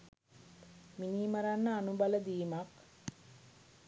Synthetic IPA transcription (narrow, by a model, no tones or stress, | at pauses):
miniːməɾanːəanubaləd̪iːmak